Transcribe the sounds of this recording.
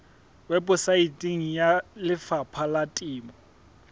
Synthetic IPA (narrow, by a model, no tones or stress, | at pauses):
wɛbʼʊsaitʼiŋ̩jalɪfapʰalatʼɪːmɔ